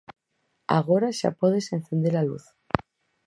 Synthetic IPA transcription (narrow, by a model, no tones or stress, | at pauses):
a̰ɣo̞ɾaʃa̰poðesen̟θe̞nd̪eɾalṵθ